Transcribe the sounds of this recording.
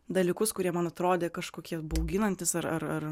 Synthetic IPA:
d̪ɐlʲiːkʊskʊɾʲiɛmɐnɐt̪ɾoːd̪ʲeːkɐʃkoːkʲiɛbɐʊɡʲɪnɐnʲt̪ʲɪsɐɾɐ̰ɾɐr

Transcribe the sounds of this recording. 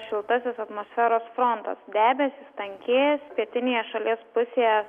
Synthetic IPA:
ʃʲɪlˠt̪ɐsʲɪsɐt̪moːsʲfʲæːɾoːsfɾont̪ɐ̰sd̪ʲæːbʲɛsʲɪst̪ɐŋʲkʲeːjspʲiɛt̪ʲɪnʲeːjɛʃɐlʲiɛspʊsʲeːjɛ

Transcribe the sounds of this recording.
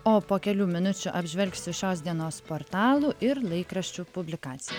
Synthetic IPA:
oːpoːkʲɛlʲuːmʲɪnʊt͡ʃʲʊʔɐbʲʒʲʋʲɛlʲksʲɪʃʲoːsʲd̪ʲiɛnoːspoːɾt̪ɑːlˠuːʔɪɾlˠɐɪkɾɐʃʲt͡ʃʲupʊbʲlʲɪkɑːt̪sʲɪjɛ

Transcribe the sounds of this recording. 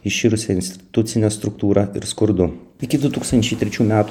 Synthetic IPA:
ɪʃʲiːɾʊsʲɛɪnʲsʲt̪ʲɪt̪ʊt̪sʲɪnʲɛst̪ɾʊk̚t̪uːɾɐɪ̰ɾskʊɾd̪ʊɪkʲɪd̪ʊt̪uːkst̪ɐnʲt͡ʃʲɛɪt̪ʲɾʲɛt͡ʃʲuːmʲæːt̪

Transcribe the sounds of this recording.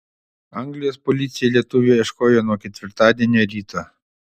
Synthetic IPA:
ɐŋɡlʲɪjoːspɔlʲɪt̪sʲɪjɛlʲiɛt̪ʊʋʲuːɛʃkoːjoːnuɔkʲɛt̪ʲʋʲɪɾt̪ɑːd̪ʲiɛnʲoːɾʲiːt̪ʰoː

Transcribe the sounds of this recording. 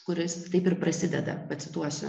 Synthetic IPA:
kʊɾʲɪst̪ɐɪpɪɾpɾɐsʲɪd̪ʲɛd̪ɐ̰pɐt̪sʲɪt̪uɔsʲʊ

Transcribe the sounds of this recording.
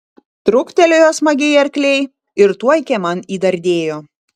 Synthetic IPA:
t̪ɾʊkt̪ʲɛlʲojoːsmɐɡʲejɐɾʲkʲlʲɛɪ | ɪɾt̪uɔjkʲɛmɐniːd̪ɐɾʲd̪ʲeːjoː

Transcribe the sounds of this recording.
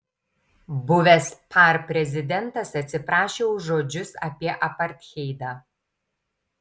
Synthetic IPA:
bʊʋʲɛspʰɑˑɾpʲɾʲɛzʲɪd̪ʲɛnˑt̪ɐsɐt̪ʲsʲɪpɾɑːʃʲeʊʒoːd͡ʒʲʊsɐ̰pʲiɛʔɐpɐɾʲt̪ʲxʲɛɪd̪ɑː

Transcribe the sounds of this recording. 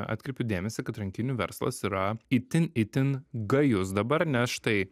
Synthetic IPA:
ɑ̰ːt̪ʲkɾʲɛɪpʲʊd̪ʲeːmʲɛsʲɪkɐt̪ɾɐŋʲkʲɪnʲuːʋʲɛ̰ɾslˠɐ̰siːɾɐɪt̪ʲɪnɪt̪ʲɪnɡɐjʊs̬d̪ɐbɐɾnʲɛsʃt̪ɐɪ

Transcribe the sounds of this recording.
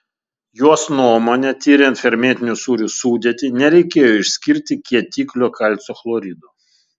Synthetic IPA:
juɔsnuɔmoːnʲɛt̪ʲiːɾʲɛnt̪fʲɛɾʲmʲeːt̪ʲɪnʲusuːɾʲuːsuːd̪ʲeɛt̪ʲɪnʲɛɾʲɛɪkʲeːjoːɪʃʲsʲkʲɪɾʲt̪ʲɪkʲiɛt̪ʲiːklʲoːkʰɐlʲˑt̪soːflˠoɾʲid̪uː

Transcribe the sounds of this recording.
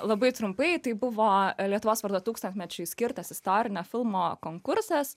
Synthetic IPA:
lˠɐbɐɪt̪ɾʊmpɐɪt̪ɐɪbʊʋoːlʲiɛt̪ʊʋoːsʋɐɾd̪oːt̪uːkst̪ɐnʲt̪ʲmʲɛt͡ʃʲʊɪsʲkʲɪɾt̪ɐsɪst̪oːɾʲɪnʲoːfʲɪlˠmoːkoːŋkʊɾsɐs

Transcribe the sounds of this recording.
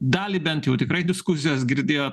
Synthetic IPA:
d̪ɑːlʲibʲɛnt̪jɛʊt̪ʲɪkɾɐɪd̪ʲɪskʊs̬ʲɪjoːsɡʲɪɾʲd̪ʲeːjoː

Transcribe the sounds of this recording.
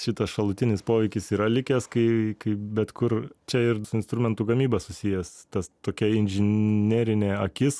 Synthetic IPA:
ʃʲɪt̪ɐsʃɐlˠʊt̪ʲɪnʲɪspoːʋʲɛɪkʲɪsiːɾɐlʲɪkʲɛːskɐɪkɐɪbʲɛt̪kʊrt͡ʃʲɛɪrsʊɪnst̪ɾʊmʲɛnt̪ʊɡɐmʲiːbɐsʊsʲɪjɛst̪ɐst̪oːkʲɛɪnʲʒʲɪnʲeːɾʲɪnʲeːɐkʲɪs

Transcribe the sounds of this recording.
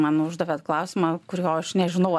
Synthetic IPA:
mɑːnʊʒd̪ɐʋʲet̪klˠɐʊsʲɪmɑːkʊɾʲjoːɐʃnʲɛʒʲɪnɐʊ

